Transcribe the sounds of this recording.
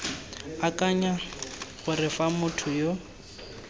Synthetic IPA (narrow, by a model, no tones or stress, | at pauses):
akʼaɲaɣʊrɪfamʊtʰʊjo